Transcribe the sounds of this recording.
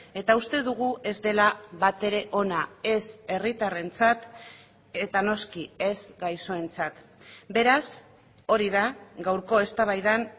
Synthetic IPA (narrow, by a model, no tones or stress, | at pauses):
e̞t̪aust̪e̞ðuɣ̞uʔe̞zd̪e̞laβat̪e̞ɾe̞ʔo̞nae̞se̞rit̪are̞nt͡sat̪ | e̞t̪ano̞skie̞zɡajso̞e̞nt͡sat̪ | be̞ɾas | o̞ɾiðaɡawɾko̞e̞st̪aβ̞ajðan